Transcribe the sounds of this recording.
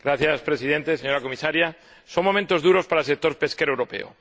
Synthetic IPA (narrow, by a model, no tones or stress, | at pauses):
ɡ̥ɾaθjaspɾesið̞e̞nt̪e̞seɲo̞ɾakomisaɾja | so̞ŋmo̞mẽnt̪o̞zðuɾo̞spaɾasek̚t̪o̞ɾpe̞skeɾoewɾo̞pe̞̰o̰